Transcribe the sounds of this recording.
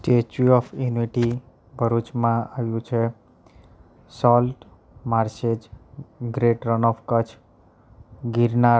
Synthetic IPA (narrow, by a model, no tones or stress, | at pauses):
sʈet͡ʃuɔfjuniʈi | bʱəɾut͡ʃmãaʋjũt͡ʃʰe | sɔlʈ | maɾsed͡ʒɡɾeʈɾənɔfkət͡ʃʰ | ɡiɾna